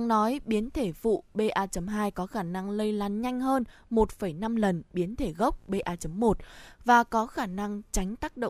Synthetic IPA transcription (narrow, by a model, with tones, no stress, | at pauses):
a˧ŋnɔ˨˦jɓi˨˦ənt̪ʰe˧˩fṵ˧˨ɓe˧ʔaː˧t͡ɕə˨˦mɦaː˧jkɔ˨˦xaː˧˩na˧ŋlə˧jlaː˨˦nɲa˧jŋ̟ɦəː˧nmo˨˩t̚fə˧˩jna˧mlə˨˩nɓi˨˦ənt̪ʰe˧˩ɣə˦˥wk͡p̚ɓe˧ʔaː˧t͡ɕə˨˦mːo˨˩t̚vaː˨˩kɔ˨˦xaː˧˩na˧ŋt͡ɕa˨˦jŋ̟t̪aː˦˥k̚ɗo̰˧˨